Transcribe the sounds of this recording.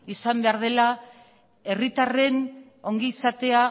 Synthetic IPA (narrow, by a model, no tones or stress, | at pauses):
isambe̞aɾð̞e̞la | e̞rit̪are̞n | o̞ŋɡiːsat̪e̞a